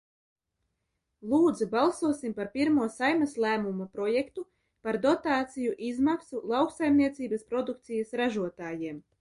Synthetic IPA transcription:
lˠuːd̪zubalˠsuɔsimpaɾpʲiɾmuɔsajmaslˠæːmumapɾɔjɛkt̪u | paɾd̪ɔt̪aːt̪sijuʔizmaksulˠawksajmniɛt̪siːbɐspɾɔd̪uk̚t̪sijasɾaʒuɔt̪aːjiɛm

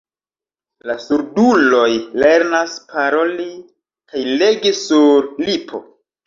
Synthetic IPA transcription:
lasuɾdulo̞jle̞ɾnaspaɾo̞li | kajle̞ɡissuɾlipʰo̞̰

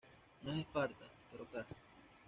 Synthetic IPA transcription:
nohehpaɾt̪apeɾokaso̥

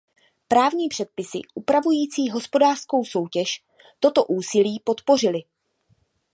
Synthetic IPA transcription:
pɾaːvɲiːpr̝̥ɛt̪̚pɪsɪ̰ʔupɾavujiːt͡siːɦo̞spo̞daːr̥sko̞wso̞wcɛʃ | t̪o̞t̪o̞ʔuːsɪliːpo̞t̪po̞r̝ɪlɪ

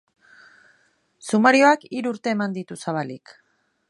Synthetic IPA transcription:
sumaɾio̞akiɾuɾt̪e̞ːmand̪it̪usaβalik

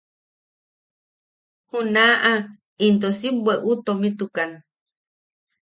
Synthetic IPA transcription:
hunaʔa | int̪osibeʔut̪omĩt̪ukana

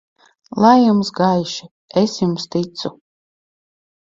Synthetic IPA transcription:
lˠajːumsɡajʃi | esjumst̪it̪su

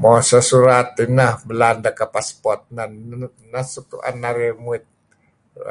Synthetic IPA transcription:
mɔsɔsuɾat̪inahbəlandakapaspɔt̪̚nan | nasut̪ṵʔa̰nːaɾimuɪt̪̚

